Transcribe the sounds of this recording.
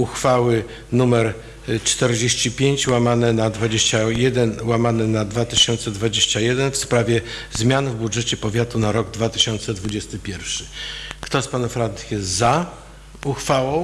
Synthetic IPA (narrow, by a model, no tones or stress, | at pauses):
uxfawɘ | numɛɾ | t͡ʂt̪ɛɾd͡ʑeɕt͡ɕipʲjeɲt͡ɕwamanɛnad̪vad͡ʑeɕt͡ɕajɛd̪ɛnwamanɛnad̪vat̪ɘɕɔnt̪sɛd̪vad͡ʑeɕt͡ɕajɛd̪ɛnfspɾavʲjɛzmʲjanvbudʐɛt͡ɕɛpɔvʲjat̪unaɾɔɡd̪vat̪ɘɕɔnt̪sɛd̪vud͡ʑɛst̪ɘpʲjɛɾfʂɘ̥kt̪ɔspanɔfɾant̪xʲjɛza | uxfawɔ̃w̃